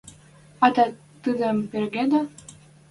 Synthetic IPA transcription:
ɑd̪ɑ | t̪ɨd̪ə̆mperɡed̪ɑ

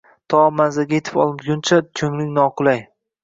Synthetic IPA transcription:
t̪ʰɒmanzaɡʲajet̪ʰɪ̥pɒ̰lˠɡʲʊnt͡ʃʰakʰɵŋlɪkʲnɒqʊlˠaj

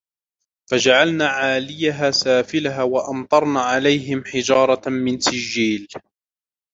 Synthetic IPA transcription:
fad͡ʒaʕalnaːʕaːlɪjaɦaːsaːfɪlaɦawaʔɑmt̪ˤɑɾˤnaːʕalajɦɪmħɪd͡ʒɑːɾˤɑmɪnsɪd͡ʒːiːl

